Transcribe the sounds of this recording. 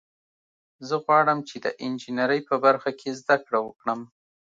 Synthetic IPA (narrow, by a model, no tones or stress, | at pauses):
zəɣwɑɽəmt͡ʃed̪ə̰ʔɪnd͡ʒinaɾəjpəbaɾxakʰezd̪akɽawəkɽəm